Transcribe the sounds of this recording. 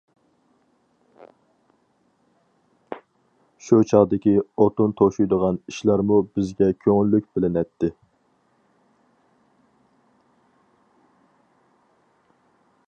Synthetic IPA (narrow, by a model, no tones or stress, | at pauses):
ʃut͡ʃʰɑʁd̪ɪkʲiot̪unt̪ʰoʃujd̪əʁɑniʃlˠɑɾmubɪzɡʲɛkʲʰøŋylːyk̚ʲbɪlɪnɛt̪ʰːɪ